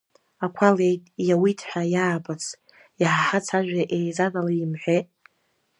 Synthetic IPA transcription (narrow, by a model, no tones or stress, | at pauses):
akʷʰalejtʼjawitʰħʷᶣajaːbat͡sʰ | iħaħat͡sʰaʒᶣaʔejzadalaimħʷᶣetʼ